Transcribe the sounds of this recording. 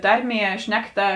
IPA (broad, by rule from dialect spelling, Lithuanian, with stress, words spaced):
ˈtɐrʲˌmʲiɛ ˈʃʲnʲæːkˌtɐ